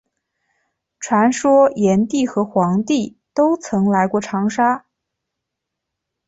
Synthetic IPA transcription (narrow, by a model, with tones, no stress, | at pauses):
ʈ͡ʂʰwa˧˥nʂwɔ˥jɛ˧˥nt̪i˥˩xɤ˧˥xwɑ˧˥ŋt̪i˥˩ | t̪o˥ʊt͡sʰɤ˧˥ŋla˧˥ɪkwɔ˥˩ʈ͡ʂʰɑ˧˥ŋʂa˥